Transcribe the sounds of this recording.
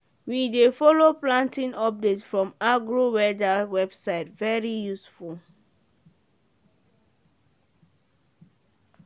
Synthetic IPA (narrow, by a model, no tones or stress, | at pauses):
widefɔloplãntĩnɔp̚detfɹɔ̃maɡɹowɛdawɛbsaɪtvɛɹijusful